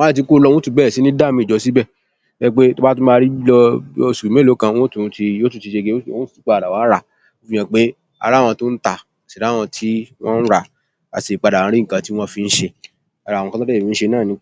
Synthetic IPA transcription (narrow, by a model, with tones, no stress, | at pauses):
i˦t̬i˧˦ko˦lɔ˧˦wɔ̃˦tu˦˨bɛ˦˨si˨˦nĩ˦da˦˨mĩ˧˦˨d͡ʒɔ˨˧˦si˦bɛ˦˨ | ɛ˧˦k͡pe˦to˦ba˦tũ˦mã˦˧ɾi˦bi˦lɔ˧o˧su˨i˨ẽ˦˨lo˨˦kã˧wɔ̃˦tũ˧˦ti˧jo˦tu˦˧˦ti˧ʃe˧ɡe˦˨ɔ̃˦ti˦k͡pa˦˨a˨wa˨˦ɾa˦˨ | o˦fi˧j̃ɛ̃˧k͡pe˦ | a̰˨˧ɾa˦˨w̃ɔ̃˧to˦n̩˦ta˨ | a˨si˨ɾa˨˦˨w̃ɔ̃˧tʰi˦w̃ɔ̃˦n̩˦ɾa˨ | a̰˨se˨k͡pa˨da˨ã˨˧˦ɾi˦ŋ̩˨kã˧ti˦w̃ɔ̃˦fi˧n̩˦ʃe˧ | a˧ɾa˨wɔ̃˧kã˦ɔ˦ɛ˦˨mĩ˨˦n̩˦ʃe˧nãː˦˨nĩ˧˦